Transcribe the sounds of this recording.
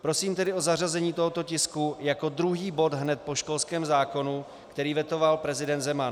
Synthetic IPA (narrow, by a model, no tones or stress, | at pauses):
pɾo̞siːmt̪ɛdɪo̞zar̝azɛɲiːt̪o̞ɦot̪o̞cɪskujako̞d̪ɾuɦiːbo̞t̪ɦnɛt̪̚po̞ʃko̞lskɛːmzaːko̞nu | kt̪ɛɾiːvjɛt̪o̞valpɾɛzɪdɛnt̪zɛman